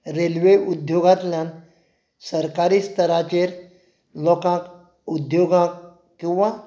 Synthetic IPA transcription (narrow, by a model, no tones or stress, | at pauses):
ɾelʋeud̪joɡat̪ljãn | səɾkaɾiːst̪ʰəɾat͡ɕeɾ | lɔkãk | ud̪joɡãk | kĩw̃ʋa